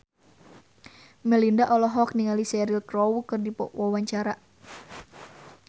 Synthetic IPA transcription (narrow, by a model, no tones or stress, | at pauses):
mɛlindaʔɔlɔɦɔk̚niŋalisɛɾilkrɔwukɨrdipɔ̰wawaɲt͡ʃaɾa